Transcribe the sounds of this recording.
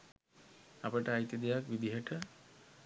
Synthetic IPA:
apəʈəajt̪id̪ejakʋid̪iɦəʈə

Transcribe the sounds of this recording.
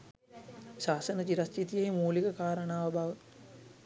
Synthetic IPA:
saːsənət͡ʃiɾɐst͡ʃit̪ijeimuːlikəkaːɾənaːʋəbʱaʋə

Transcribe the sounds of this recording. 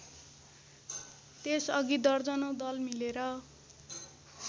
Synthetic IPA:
t̪esʌɡid̪ʌrd͡zʌnod̪ʌlmileɾʌ

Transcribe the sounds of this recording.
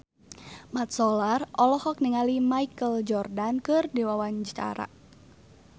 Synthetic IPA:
mat̪̚sɔlarʔɔlɔhɔk̚niŋalimaikəld͡ʒɔrdankɨrdiwawaɲd͡ʒət͡ʃa̰ɾa̰

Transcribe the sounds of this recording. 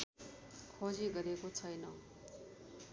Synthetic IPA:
kʰod͡ziɡʌɾekot͡sʰʌjnʌ

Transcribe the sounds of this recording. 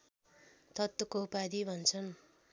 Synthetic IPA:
t̪ʌt̪wʌkoupad̪ibʱʌnt͡sʰʌn

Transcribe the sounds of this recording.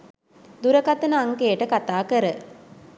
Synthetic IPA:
d̪uɾəkat̪ənəaŋkejəʈəkat̪aːkəɾə

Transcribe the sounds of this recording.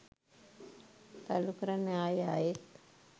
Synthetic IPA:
t̪alukəɾaneaːjaːjet̪

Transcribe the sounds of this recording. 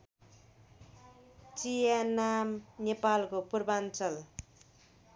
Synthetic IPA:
t͡sijanamnepalkopurbant͡sʌl

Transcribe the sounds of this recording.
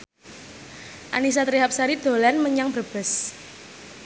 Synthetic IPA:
ʔa̰nis̬at̪ɾiɦap̚saɾid̪̥o̤lanməɲaŋbərb̥ə̤s

